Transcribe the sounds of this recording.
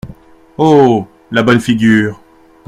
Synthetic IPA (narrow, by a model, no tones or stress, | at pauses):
o | labɔnfiɡʲyːʁ